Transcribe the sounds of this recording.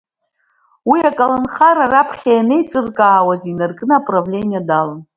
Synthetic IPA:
wiakʼalanχaɾarapʰχʲajanejt͡ʃʷʼɨrkʼaːwazinarkʼnɨapʼravlʲe̞nʲijadalan

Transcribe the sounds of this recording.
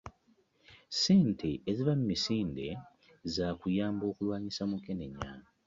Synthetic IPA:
se̞ːntʰe̞ːziβamːisiːnde̞ | zaːkujaːmbo̞ːkulwaːɲisamukene̞ɲːa̰ːna

